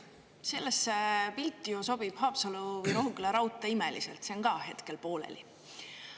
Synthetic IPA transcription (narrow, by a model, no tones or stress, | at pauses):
se̞lːesːepilt̪ːˑijoso̞b̥ib̥hɑːpsɑluvɤjɾo̞ɦukːeleɾɑwt̪ːˑɑimelisḛlt̪se̞oŋkɑːɦe̞t̪ke̞lpo̞ːlḛlḭ